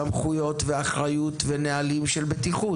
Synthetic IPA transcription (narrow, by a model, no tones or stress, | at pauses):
amχujo̞t̪ve̞aχʁajut̪venealimʃelbet̪iχu